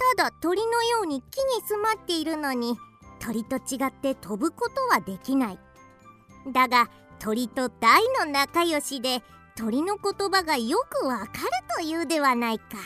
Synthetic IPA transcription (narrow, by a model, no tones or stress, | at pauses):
t̪ad̪at̪o̞ɾʲino̞jo̞ːɲ̟ikʲːiɲ̟isɨmat̪ːe̞iɾɯ̟no̞ɲ̟i | t̪o̞ɾʲit̪o̞t͡ɕiɡat̪ːe̞t̪ʰo̞bɯ̟ko̞t̪o̞βad̪e̞kʲinai | d̪aɡa | t̪ʰo̞ɾʲit̪o̞d̪̥aino̞nakajo̞ɕid̪e̞ | t̪o̞ɾʲino̞ko̞t̪o̞baɡajo̞kɯ̟βakaɾɯ̟t̪o̞jɯːd̪e̞βanaika